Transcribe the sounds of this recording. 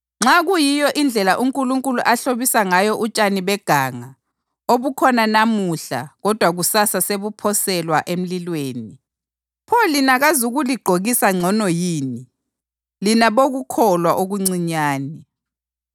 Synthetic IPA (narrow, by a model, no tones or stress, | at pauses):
ŋ͡ǁaɣujijɔʔind͡ɮʱɛlaʔuŋkʼuluŋkʼuluʔaɬoβisaŋajɔʔut͡ʃʼaniβɛɡ̥ʱaːŋa | oβukʰɔnanamuɬa̰ɣɔd̥ʱwaɣusasaseβupʰɔsɛlwaʔem̩lilweːni | pʰɔlinaɣazuɣuliɡ͡ǃʱoɣisaŋ͡ǀʱɔnɔjiːni | linaβoɣukʰɔlwaʔoɣuŋ͡ǀiɲaːni